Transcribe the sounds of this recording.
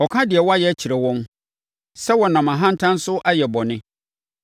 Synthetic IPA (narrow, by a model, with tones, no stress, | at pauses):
ɔ˨kʰã˦dɪ˨ɛ˨wɔ˦a˦jɛ˦æ˦t͡ɕʰi˨ɾɛ˨wɔ̃˦m | sɛ˦wɔ˨nã˨mã˨ɦã˦n̩˦tʰã˦n̩˦sʊ˦ʔa˦jɛ˨bɔ˨nɪ̃˦